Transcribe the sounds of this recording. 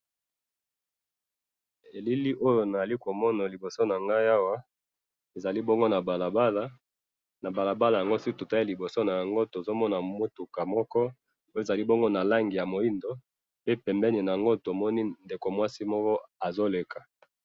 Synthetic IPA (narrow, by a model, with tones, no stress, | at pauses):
e˨li˦li˦ʔo˦jo˨na˨za˨li˦ko˨mɔ˦na˨li˨bo˨so˦na˨ŋɡa˦ja˦wa˦ | e˨za˨li˦bɔ˦ŋɡo˦na˨ba˨la˨ba˦la˦ | na˨ba˨la˨ba˦la˨ja˨ŋɡo˦si˦tu˨ta˦i˦li˨bo˨so˦na˨ja˨ŋɡo˦to˨zo˦mɔ˦na˨mo˦tu˨ka˨mɔ˦kɔ˦ | o˦je˨za˨li˦bɔ˦ŋɡo˦na˨la˦ŋɡi˨ja˨mo˨i˦ndo˨˦ | pe˦pɛ˨mbɛ˦ni˨na˨ja˨ŋɡo˦to˨mɔ˦ni˦nde˨ko˨mwa˦si˦mɔ˦kɔ˦a˨zo˦le˨ka˨